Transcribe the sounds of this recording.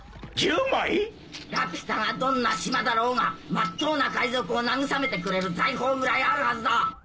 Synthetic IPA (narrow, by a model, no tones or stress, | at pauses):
d͡ʑɯːmoi | ɾakɯ̟̥ɕi̥t̪aŋad̪õ̞nːaɕimad̪aɾo̞ːŋamat̪ːo̞ːnakaizo̞kɯ̟o̞naŋɯ̟same̞t̪e̞kɯ̟ɾe̞ɾɯ̟zaiɦo̞ːɡɯ̟ɾaiaɾɯ̟hazɨd̪a